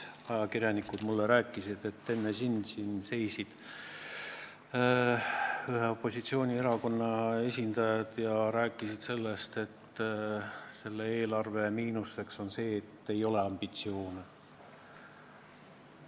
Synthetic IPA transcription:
ɑjɑkirʲjɑnikud̪̥mulːeɾæːkːˑisid̪̥e̞t̪ːe̞nːesind̪sinse̞jsid̪̥ | yheo̞pːo̞sit̪sio̞ːnʲie̞ɾɑko̞nːɑe̞sʲind̪̥ɑjɑd̪̥jɑɾæːkːˑisid̪̥se̞lːest̪e̞t̪ː | se̞lːeeːlɑrve̞miːnusːe̞kso̞nse̞ːet̪ːe̞jo̞le̞ɑmb̥it̪sio̞ːne

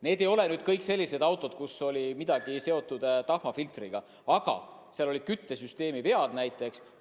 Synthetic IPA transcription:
ne̞ːd̪e̞jo̞le̞nyːd̪̥kɤjkse̞lʲːise̞d̪ɑwt̪ːˑo̞d̪̚kuso̞lʲimid̪̥ɑɡ̥ise̞o̞t̪ːˑud̪̥t̪ɑhmɑfilt̪riɡ̥ɑ | ɑɡ̥ɑ̰seɑlo̞li̥kyt̪ːe̞syst̪e̞ːmive̞ɑd̪̥næjt̪ːˑe̞ks

